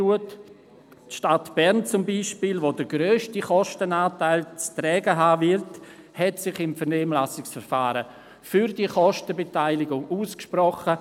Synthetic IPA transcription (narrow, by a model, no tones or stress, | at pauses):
uət | tʃtatb̥ɛɾnt͡sʊmbiʃpiːlʋodəɾɡɾøːʃtiχɔʃtənaːtaɪlt͡stɾɛːɡəɦaːvɪlt | hɛtsɪχɪmfənɛːmlasɪksfəɾfaːɾə | fyɾdiəχɔʃtəbetaɪlɪɡʊŋuːskʃprɔχə